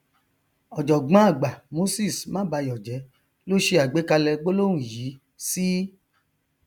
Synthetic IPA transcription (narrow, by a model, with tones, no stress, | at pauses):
ɔ˨d͡ʒɔ˨ɡ͡bã˨˦a˦˨ɡ͡ba˨mo˨˦si˦˨smã˦ba˧jɔ˨d͡ʒɛ˨˦ | lo˦ʃe˧a˨ɡ͡be˨˦ka˧lɛ˧ɡ͡bo˦lo˦w̃ũ˦˨jiː˨˦ | si˦